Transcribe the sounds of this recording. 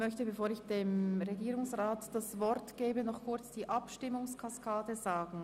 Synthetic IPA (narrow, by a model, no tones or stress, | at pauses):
mœçtəbefoːɾɪçd̥eːmʁeɡiːʁʊŋsʁaːtd̥asvɔɾtɡ̥eːbənɔχkʰʊɾt͡sd̥iːʔɑpʃtɪmʊŋskʰaskʰaːdəzaːɡn̩